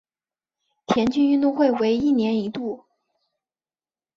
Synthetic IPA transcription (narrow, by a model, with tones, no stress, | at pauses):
t̪ʰjɛ˧˥nt͡ɕy˥˧ny˥˧nt̪ʊ˥˧ŋxwe˥˩ɪwe˧˥ɪi˥˩njɛ˧˥ni˧˥t̪u˥˩